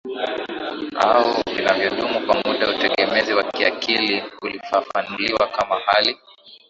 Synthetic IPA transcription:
ha̰ɔvinavjɔɗumupamuɗautɛɠɛmɛziwakiakiliulifafanuliwakamahali

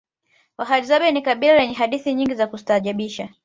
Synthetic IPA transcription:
waɦalizaɓɛnikaɓilalɛɲɛɦaɗiθiɲiŋɡizakusi̥taːʄaɓiʃa

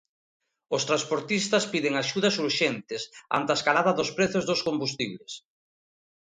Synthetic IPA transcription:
ʊst̪ɾanspoɾt̪ist̪ɐspiðɪŋaʃuðɐsuɾʃɛnt̪ɪsa̰nt̪askalaðɐðʊspɾɛθʊzðʊskombust̪iβles

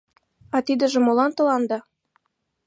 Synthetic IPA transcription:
ɑt̪id̪ə̆ʒĕmolɑnt̪ɤ̆lɑnd̪ɑ

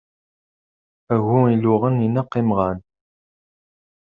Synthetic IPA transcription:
æɣuilʊʁəninəqːɪmʁæn

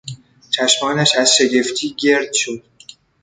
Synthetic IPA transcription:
t͡ʃʰæʃmɒːnæʃæzʃeɡe̞ft̪ʰiːɡe̞ɾd̪̥̚ʃod̪̥

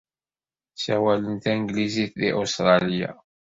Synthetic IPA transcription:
sæwælənt̪ænɡliziθðḭʔost̪ɾˤɑlija̰

